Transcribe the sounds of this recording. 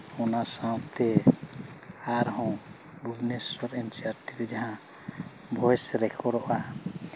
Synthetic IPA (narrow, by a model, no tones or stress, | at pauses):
ɔnasãw̃t̪ɛ | aɾɦɔ̃w̃ | bulnesɔɾɛnt͡ʃaɾʈiɾɛd͡ʒaɦã | bʱɔjsɾɛkʰɔɽɔʔa